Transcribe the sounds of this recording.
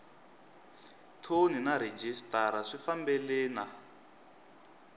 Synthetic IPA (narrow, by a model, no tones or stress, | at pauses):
tʰoninaɾed͡ʒistaɾaʂifambɛlɛːna